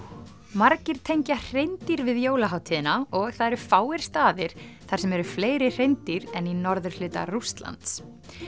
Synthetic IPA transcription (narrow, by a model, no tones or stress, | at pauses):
maɾcɪɾ̥t̪ʰejɲcar̥ejnt̪iɾvɪðjoːwlaɦaːwt̪ʰiːðɪnaɔɣθaðɛɾʏfaːwɪɾ̥st̪aːðɪɾ̥ | θaɾ̥sɛmɛɾʏfleːjɾɪr̥ejnt̪iɾɛninɔɾðʏɾ̥lʏːt̪a̰rust̪la̰nt̪s